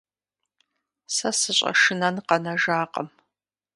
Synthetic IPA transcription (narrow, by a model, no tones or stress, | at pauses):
sɐsɨɕʼɐ̰ʂɨnɐnqɐnɐʒaːqʼɐm